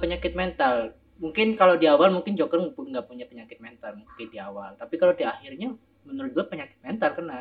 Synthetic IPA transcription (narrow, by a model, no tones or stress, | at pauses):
pəɲakɪt̪̚mɛnt̪al | muŋkɪnkalodiawalmuŋkɪnd͡ʒoɡərpuŋɡapuɲapəɲakɪt̪̚mɛnt̪armuŋkɪdiawalt̪apikalodiahɪrɲa | mənəɾʊt̪̚d͡ʒuapəɲakɪ̥t̪̚mɛnt̪arkəna